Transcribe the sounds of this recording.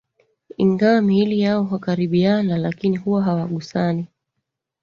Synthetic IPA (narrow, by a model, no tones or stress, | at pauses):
ḭŋɡawamihilijaɔɦakaɾiɓianalakinihuwaɦawaɠusani